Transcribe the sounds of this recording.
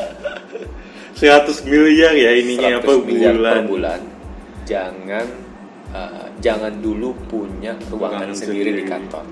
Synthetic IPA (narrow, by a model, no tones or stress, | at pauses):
səɾat̪ʊsmiljarjainiɲatpəbualarbula̰n | d͡ʒaŋan | ə̰d͡ʒaŋandulupuɲaruwa̰ŋaŋnsəsndiɾidikant̪ɔ̰r